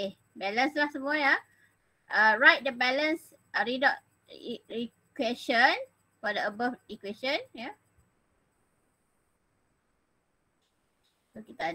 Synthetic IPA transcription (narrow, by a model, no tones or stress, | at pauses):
e | bɛlə̃nslahsəmuaja | ʔaɹajt̚dəbɛlə̃ns | ʔəɹidɔʔ | ii | kwɛʃə̃n | fɔdəəbəfikwɛʃə̃nja | sokit̪a